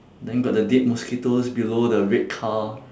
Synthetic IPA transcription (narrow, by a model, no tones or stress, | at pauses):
dɛ̃nɡɔʔ̚dədet̚mɔskitosbilodəɹet̚kʰa